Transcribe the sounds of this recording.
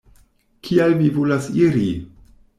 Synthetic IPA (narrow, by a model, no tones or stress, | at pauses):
kʰialmivolasiɾi